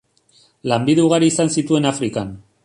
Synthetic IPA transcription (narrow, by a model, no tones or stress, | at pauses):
lambiðuuɣaɾiːsansit̪ue̞nafɾikan